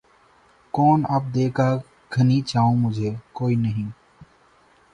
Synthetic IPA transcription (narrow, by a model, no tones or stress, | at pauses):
kɔːnaːp̚d̪eːkaː | ɡʱənĩːt͡ʃaːõːmʊd͡ʒʱeːkoːiːnəɦĩː